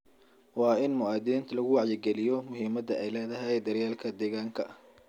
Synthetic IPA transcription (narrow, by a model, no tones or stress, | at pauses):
wɑːɪnmʊaːd̪ɛːnt̪ʰlɐɣʊwɑʕjɪɡɛlɪjɔmʊɦiːmɐd̪ɐʔɛjlɛːhðɐɦɛjd̪ɐɾjaːlkʰɐd̪ɛːɣaːŋkʰɐ